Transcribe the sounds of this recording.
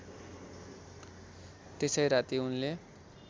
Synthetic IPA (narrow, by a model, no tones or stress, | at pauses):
t̪esʌjɾat̪iunle